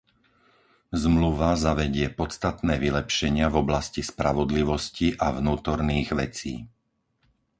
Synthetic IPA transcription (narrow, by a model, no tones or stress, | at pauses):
zmluʋazaʋɛɟɪɛpɔt̪t͡st̪at̪nɛːʋilɛpʃɛɲɪavɔblascispɾaʋɔd̪liʋɔsciʔavnuːt̪ɔɾniːɣʋɛ̰t͡sḭː